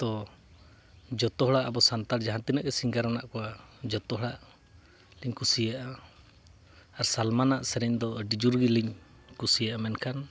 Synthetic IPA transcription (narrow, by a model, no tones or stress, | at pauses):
t̪ɔ | d͡ʒɔt̪ɔɦɔɽaʔabɔsant̪ald͡ʒaɦant̪inəʔkɛsiŋɡaɾanaʔkɔad͡ʒɔt̪ɔɦɽaʔ | liɲkusijaʔa | aɾsalmanaʔsɛɾɛɲd̪ɔɖid͡ʒuɾɡiliɲ | kusijaʔamɛnkʰan